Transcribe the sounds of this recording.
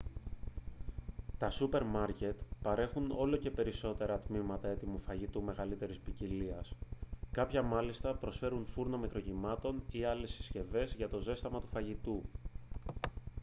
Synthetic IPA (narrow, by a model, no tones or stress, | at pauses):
t̪ɐsupe̞ɾmɐɾce̞t̪pɐɾe̞xuno̞̰lo̞ce̞pe̞ɾiso̞t̪e̞ɾɐt̪mimɐt̪ɐe̞t̪imufɐʝit̪ume̞ɣɐlit̪e̞ɾispiciliɐskɐpçɐmɐlist̪ɐpɾo̞sfe̞ɾunfuɾnomikɾo̞cimɐt̪o̞niɐle̞si̥sce̞ve̞zʝɐt̪o̞ze̞st̪ɐmɐt̪u̥fɐʝit̪u